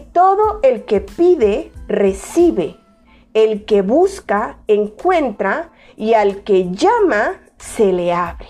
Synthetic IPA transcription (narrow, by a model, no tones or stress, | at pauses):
t̪oðo̞e̞lkepiðere̞siβe | elkeβuskaeŋkwe̞nt̪ɾa | ialkeʝama | se̞leaβɾe